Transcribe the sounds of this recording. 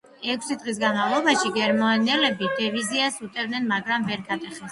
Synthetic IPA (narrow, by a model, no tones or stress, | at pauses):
ɛkʷʰsid̪ʁis̬ɡanmavlˠɔbaʃiɡɛɾmnɛlɛbid̪ɛviziasut̪ʼɛvd̪nɛnmaɡɾamvɛɾɡʰat̪ʼɛχɛs